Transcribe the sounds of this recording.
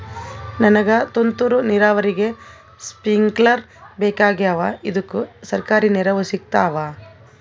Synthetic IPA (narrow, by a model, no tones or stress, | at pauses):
nɐnɐɡɐt̪ont̪uɾuniɾaːʋɐɾiɡe̞ | spiŋɡlɐɾ | beːkaːɡiɐʋaid̪ukːusɐɾkaːɾinɛɾɐʋusik̚t̪aːʋaː